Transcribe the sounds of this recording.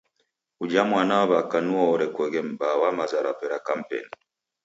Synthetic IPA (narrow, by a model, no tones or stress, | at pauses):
ud͡ʒamwanaɔβakanuɔɔɾɛkwɛɣɛm̩bawamazaɾapɛɾakam̩pɛ̰ni